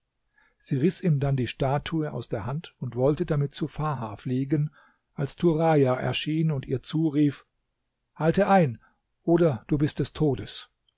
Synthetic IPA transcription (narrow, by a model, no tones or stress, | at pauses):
z̥iːʁɪsʔiːmdandiːʃtaːtʰuəʔa̰ʊsd̥eːɐhantʊntv̥ɔltədamɪt̚t͡sufaːhaːfliːɡən | ʔalstʰuʁajaʔɛ̰ɐʃiːnʊntiːɐt͡suːʁiːf | haltəʔaɪn | ʔoːdɐd̥uːbɪst̚d̥ɛstʰoːdəs